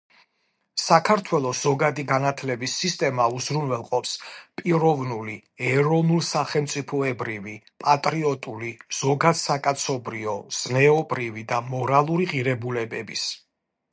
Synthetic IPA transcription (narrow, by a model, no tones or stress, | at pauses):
sakʰaɾt̪ʰwɛlˠɔsz̥ɔɡad̪iɡanat̪ʰlɛbisːist̪ʼɛmauzɾunvɛlˠqʼɔpspʼiɾɔvnuliɛɾɔnulˠsaχɛlˠmt̪sʼipʰɔɛbɾivi | pʼat̪ʼɾiɔt̪ʼuliz̥ɔɡad̪̥sakʼat̪sʰɔbɾiɔz̥nɛɔbɾivid̪amɔɾalˠuɾiʁiɾɛbulɛbɛbis